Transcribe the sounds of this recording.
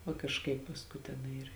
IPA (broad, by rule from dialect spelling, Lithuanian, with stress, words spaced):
ʋɐ kɐʃˈkɐɪp pɐsˈkʊɪ tʲɛˈnɐɪ ɪr